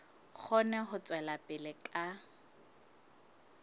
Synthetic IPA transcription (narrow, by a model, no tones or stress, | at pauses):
k͡xʰɔnɛχʊt͡sʼwɛlapʼɪlɪkʼa